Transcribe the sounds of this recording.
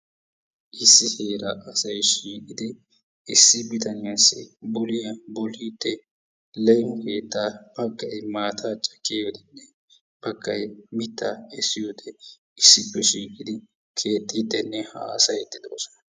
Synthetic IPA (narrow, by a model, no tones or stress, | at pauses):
ʔɪsːɪhe̞ːɾɐʔɐsɐjʃiːkʼɪd̪ɪ | ɪsːɪbɪt̪ɐnɪjasːɪ̰bɔlɪjɐbɔliːd̪ːɛ | lɛjmʊkeːt̪ːab̥ɐɡːɐjmaːt̪ʰaːt͡ʃʼɐkːeːjɔd̪ɛnːɛ | b̥ɐɡːɐjmɪt̪ːɐɛsːɪjod̪ɛ | ɪsːɪpːɛʃiːkʼɪd̪ɪ | kʰe̞ːt̪ʼːid̪ːɛnːɛha̰ːsɐjɛt̪ːɪd̪o̰ːsɔ̥nɐ